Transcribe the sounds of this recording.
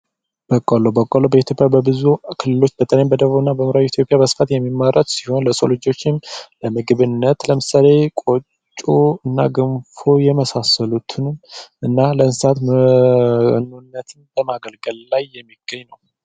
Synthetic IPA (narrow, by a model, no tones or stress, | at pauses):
b̥əkʼːolobəkʼːolobəit̪ʰjo̞pʼjabəbɨzukʰɨlːɨlo̞t͡ʃːbət̪ʼəljambəd̪əβuɨnːabəmɨɾawit̪ʰjo̞pʼjabəsɨ̥fat̪jɛmːimːaɾət̪siho̞nləsʼo̰lɨd͡ʒo̞t͡ʃːɪnləmɨɡɨβɨnːət̪ləmɨsale̞kʼot͡ʃʼːoɨnːaɡɨmfojɛməsasəlut̪ʰɨnɨmʔɨnːaləɨnsat̪m | nːunːət̪ʰɨnbəmaɡəlɡəllajːɛmːiɡ̥əɲːnəw